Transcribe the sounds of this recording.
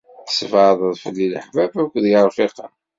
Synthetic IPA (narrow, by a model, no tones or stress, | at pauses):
θsvðˤəðˤfəlːilə̰ħvæbækʷːðjəɾˤfiqɑ̰